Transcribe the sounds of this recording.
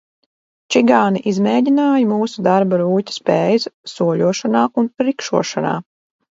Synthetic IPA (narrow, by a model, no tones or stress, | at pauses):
t͡ʃiɡaːniʔizmɛːdʲinaːjmuːsud̪aɾbaɾuːcʲḁspeːjssuɔlʲuɔʃanaːʔunɾikʃuɔʃana̰ː